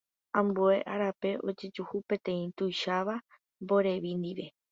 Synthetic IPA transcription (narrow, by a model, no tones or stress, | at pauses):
ãmbue̞ʔaɾape̞ʔo̞d͡ʒe̞d͡ʒuhupẽ̞t̪ẽ̞ĩt̪ujʃaʋa | mbo̞ɾe̞ʋind̪iʋe̞